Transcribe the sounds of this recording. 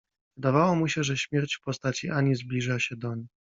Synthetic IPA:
vɨd̪avawamuɕɛʐɛɕmʲjɛɾt͡ɕfpɔst̪at͡ɕiʔaɲizblʲiʐaɕɛd̪ɔɲi

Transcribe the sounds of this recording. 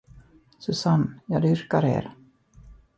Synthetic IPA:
sɵsanːjɑːd̪ʏɾkaɾḛːɾ

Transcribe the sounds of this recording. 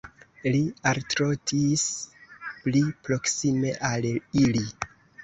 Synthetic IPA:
lialtɾo̞tʰis | plipɾo̞ksime̞ʔalili

